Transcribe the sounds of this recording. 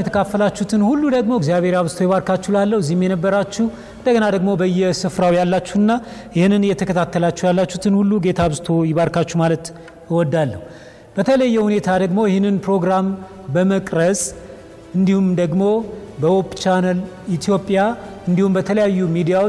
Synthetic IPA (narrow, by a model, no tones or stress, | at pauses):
ɛt̪ʰəkʰafːəlat͡ʃːut̪ʰɨnhulːud̪əɡmo̞ɪɡzijaβe̞ɾjaβzt̪ʰo̞jɛβaɾkat͡ʃːulalːəhɨzːihmjɛnəbːəɾat͡ʃːuh | ɨnd̪əɡənad̪əɡmo̞bəjːɛsɨfɾawijalːat͡ʃːuhɨnːajɪhɨnːɨnjɛt̪ʰəkʰət̪ʰat̪ːəlat͡ʃːɛhwjalːat͡ʃːut̪ʰɨnhulːuɡe̞t̪ʰaβzt̪ʰojɪβaɾkat͡ʃːumalət̪ | ɨwɔd̪ːalːəhu | b̥ət̪ʰələjːɛhunet̪ʰad̪əɡmo̞jɛhɨnːɨnpɾo̞ɡɾam | bəməkʼɾəsʼ | ɨnd̪ihumd̪əɡmo̞bəwopt͡ʃanəl | it̪ʰijo̞pʼja | ɨnd̪ihumbət̪ʰələjajːumid̪ijawo